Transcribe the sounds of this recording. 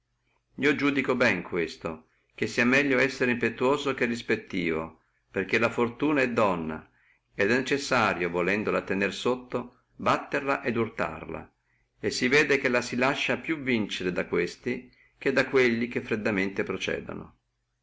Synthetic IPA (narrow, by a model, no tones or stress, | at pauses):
iod͡ʒuːd̪ikobɛŋkʰwest̪o | k̟esːiamɛʎːoɛsːeɾeimpet̪uoːzokerːispet̪ːiːvo̰ | perk̟elafort̪uːnaɛd̪ːɔnːa̰ | ɛd̪ɛnːet͡ʃesːaːɾjovolɛnd̪olat̪enersot̪ːo | bat̪ːerlaʔed̪urt̪a̰rla̰ | esːivɛːd̪ek̟elasilaʃːapjuvint͡ʃeɾed̪akwest̪i | k̟ed̪ːakweʎːik̟efːɾed̪ːament̪epɾot͡ʃɛ̰ːd̪o̰no̰